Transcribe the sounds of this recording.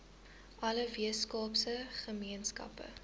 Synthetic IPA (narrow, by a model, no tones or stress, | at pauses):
ʔɐləviəskɑːpsəχəmiənskɐ̰pə̰